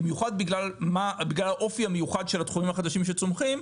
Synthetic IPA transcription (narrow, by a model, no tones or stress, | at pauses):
imjuχad̪̚biɡlalmabiɡlalaʔo̞fiamejuχad̪ʃelat̪χumimhaχad̪aʃimʃ̬et͡somχim